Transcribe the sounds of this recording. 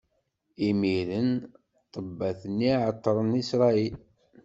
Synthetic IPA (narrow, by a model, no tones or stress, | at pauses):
imiɾən | t̪ˤəbːæθənːiʕət̪ˤːɾˤənisɾˤɑil